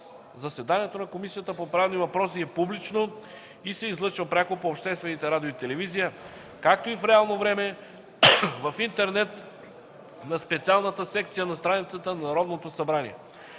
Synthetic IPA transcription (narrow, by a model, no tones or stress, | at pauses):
zɐsɛd̪aniɛt̪onɐkomisijət̪əpopɾavnivɐpɾɔsiɛpublit͡ʃno | isɛizlˠɤt͡ʃvəpɾʲakopoːpʃt̪ɛst̪vɛnit̪ɛɾad̪ioit̪ɛlɛvizijə | kak̚t̪oifɾɛalˠnovɾɛmɛ | vɐfint̪ɛɾnɛt̪ | nɐspɛt̪sialˠnət̪əsɛkt̪sijənɐst̪ɾanit̪sət̪ənnɐɾɔd̪not̪osɐbɾanḭɛ̰